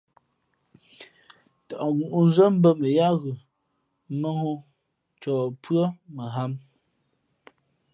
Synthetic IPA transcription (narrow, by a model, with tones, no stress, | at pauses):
ta˨ʔɣu˨ʔu˦n˦zə˦m̩˦bə˦mə˨ja˦ɣʉ˨ | mə˦ŋo˦ | t͡ʃɔː˨pɰə˦mə˨ɦa˦m